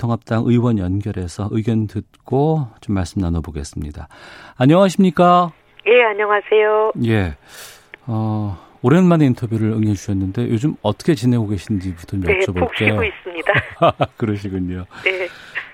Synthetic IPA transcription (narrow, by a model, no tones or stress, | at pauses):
tʰoŋɦap̚t͈aŋʔɯiwʌnjʌnɡjʌɾe̞sʰʌʔɯiɡjʌndɯt̚k͈ot͡ɕomːaɭs͈ɯmnanʌboɡe̞s͈ɯmɲidaaɲʌŋaɕʰimɲik͈a | je̞aɲʌŋasʰe̞joje̞ | ʌ | oɾenmane̞intʰʌbjuɾɯɾɯŋʌd͡ʑuɕʰʌnːɯnde̞jod͡ʑɯmʌt͈ʌ̥kʰe̞t͡ɕinɦe̞ɡoɡe̞ɕʰind͡ʑiputʰʌd͡ʑomjʌet͡ɕʰʌboɭɕ͈eioois͈ɯmɲidakɯɾʌɕ̬ʰiɡɯɲone